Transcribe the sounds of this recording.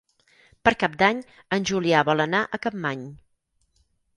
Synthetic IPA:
pəɾkap̚d̪aɲ | ənʲʒuliaβɔlənaʔəkəmːaɲ

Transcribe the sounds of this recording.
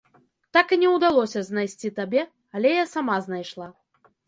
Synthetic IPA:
t̪akɨnʲɛwd̪alˠɔsʲɐznajsʲt͡sʲit̪abʲɛ | alʲɛjasamaznajʂlˠa

